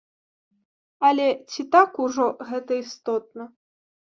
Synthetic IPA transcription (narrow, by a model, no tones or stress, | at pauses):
ɐlʲɛt͡sʲit̪akuʐɔɣɛt̪ɐist̪ɔt̪̚nɐ